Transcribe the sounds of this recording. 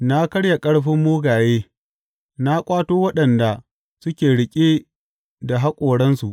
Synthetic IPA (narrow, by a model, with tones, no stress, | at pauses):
na˦kɐ˦ɽja˨kʼɐ˦ɽɸɪ˦mːoː˦ɡaː˨jeː˦ | na˦kʷʼaː˦toː˦wɐ˦ɗɐ˨nda˨ | sʊ˦kʲeː˨ɽɪ˨kʲʼe˦ | da˨ɦa˦kʷʼoː˨ɽɐ˦nsu˨ʔ